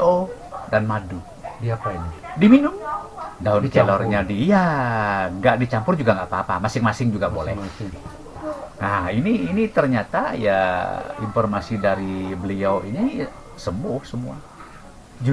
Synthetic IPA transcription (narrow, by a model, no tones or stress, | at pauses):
o | danmadu | diapainidiminʊmdaʊnkɛlɔrɲadija | ŋɡaʔdit͡ʃampʊrd͡ʒuɡaŋɡaʔpaːpamasɪŋmasɪŋd͡ʒuɡabolɛ̰h | nahiniːnit̪ərɲat̪aja̰infɔrmasidaɾibəlioini | səmʊhsəmua̰